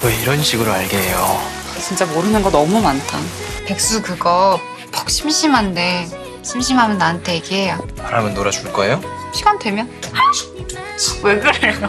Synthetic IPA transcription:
wʌiɾʌnɕʰiɡɯɾoaɭɡeejo̰ | t͡ɕint͡ɕ͈amoɾɯnɯnɡʌnʌmumantʰa | pe̞k̚s͈ukɯɡʌ | pʌk̚ɕ͈ʰimɕʰimɦande̞ | ɕʰimɕʰimɦamjʌnːaɯntʰe̞jeɡiɦe̞japaɾa̰mjʌnːoɾad͡ʑuɭk͈ʌejoɕʰiɡandwe̞mjʌna | weɡɯɾejo

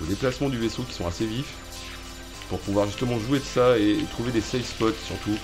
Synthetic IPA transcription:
əd̪eplasmɑ̃d̪yvesokʲi̥sɔ̃asevif | puʁpuvwaʁʒyst̪əmɑ̃ʒued̪əsaeːt̪χuved̪esɛjspɔt̪syʁt̪u

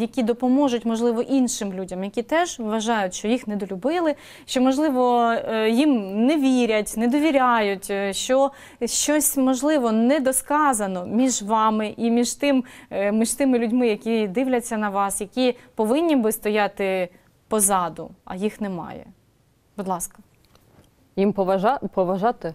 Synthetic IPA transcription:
jɐkʲid̪ɔpɔmɔʒʊtʲmɔʒlˠɪʋɔʔinʃɪmlʲudʲɐmjɐkʲit̪ɛʒʋɐʒɑjʊtʲʃt͡ʃɔjixnɛd̪ɔlʲʊbɪlˠɪ | ʃt͡ʃɔmɔʒlˠɪʋɔjimnɛʋʲiɾʲɐtʲnɛd̪ɔʋʲiɾʲajʊtʲʃt͡ʃɔ | ʃt͡ʃɔsʲmɔʒlˠɪʋɔnɛd̪ɔskɑzɐnɔmʲiʒʋɑmɪʔimʲiʒt̪ɪmmiʃt̪ɪmɪlʲʊdʲmɪjɐkʲid̪ɪwlʲɐt͡sʲːɐnɐʋɑsjɐkʲipɔʋɪnʲːibɪst̪ɔjat̪ɪ | pɔzɑd̪ʊ̰ɐ̰jixnɛmɑ̰jɛ̰ | b̥ʊd̪lˠɑskɐ̥ | jimpɔʋɐʒɑpɔʋɐʒɑt̪ɪ

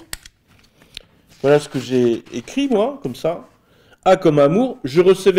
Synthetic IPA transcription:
vwalasə̥kəʒeekχimwakɔmsa | akɔmamuʁʒəʁəsəv

